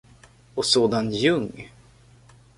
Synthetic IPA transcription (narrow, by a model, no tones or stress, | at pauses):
ɔsoːd̪anjɵŋː